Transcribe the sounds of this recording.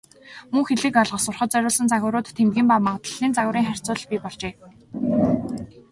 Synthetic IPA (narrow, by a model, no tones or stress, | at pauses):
muŋxeɮɘ̆kœɮʁə̆sʊrχə̆t̪̚t͡sœɾʲʊːɮsə̆nt͡saɣʲʊ̆ːɾʊːt̪ʰːemɡʲiːmpamawt̪ə̆ɮ̥iːnt͡saɣʊ̆ːɾiːŋχær̥ʲt͡sʊːɮ̆ɮpʲiːpɔɮt͡ɕeː